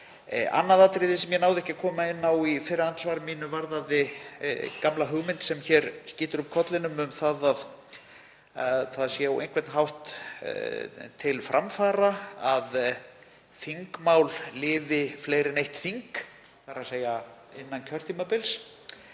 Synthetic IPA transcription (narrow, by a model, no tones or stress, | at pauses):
a̰nːaðaːt̪ɾiðɪsɛmjɛn̪aːwðɪɛhcɪkʰɔːmaɪnːawifɪɾɪðansvaːɾɪmiːnʏvaɾðaðɪ | kamlaɦʏɣmɪnt̪sɛmçɛɾsciːt̪ʏɾʏp̚kʰɔt̪lɪnʏmʏmθaðað | aðθaðsjɛwḛjnkʰvɛt̪nɦawht̪ | t̪ʰɪlfɾʔamfaːɾaað | θiŋkmawllɪːvɪfleːjɾɪnejht̪fiŋk | θaɾaseːjaɪnːancʰœr̥t̪ʰiːmapɪls